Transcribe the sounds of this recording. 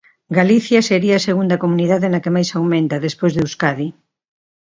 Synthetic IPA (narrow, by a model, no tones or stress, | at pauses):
ɡaliθjɐseɾiɐːseɣund̪ɐkomuniðaðenɐkemajsawmẽnt̪ɐðespojzðeuskaði